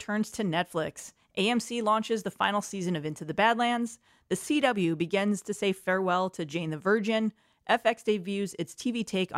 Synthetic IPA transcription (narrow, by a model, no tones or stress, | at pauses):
tʰɜ̃˞nz̥tʰɨnɛtflɪks | ʔeɪɛ̃msilɔ̃nt͡ʃɨzðəfã̰ɪ̃nl̩ˠsizɨ̃nʌvɪ̃ntʰʉðɨbædˡlæ̃ndz̥ | ðɨsiɾʌbl̩ˠjʉbɨɡɪ̃nz̥tʰɨseɪ̥fɛɹwɛlˠtʰɨd͡ʒẽɪ̃nðɨvɜ˞d͡ʒɨ̃n | ʔɛfɛksd̥eɪvjʉzɨtstʰivitʰeɪk